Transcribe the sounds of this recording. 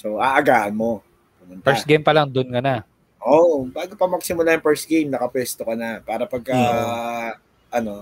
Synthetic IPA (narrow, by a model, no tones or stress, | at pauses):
so̞ʔaʔɐɡaːhɐnmo̞ | ɐnʊnpɛɹsɡejmpɐlaŋd̪onkɐna | ʔoʔbaːɡopɐmɐɡsɪmʊlaːjɐŋpɛɹsɡejmnɐkɐpwɛst̪okɐnɐpaːɾɐpɐɡ̚kɐ | ʔɐno̞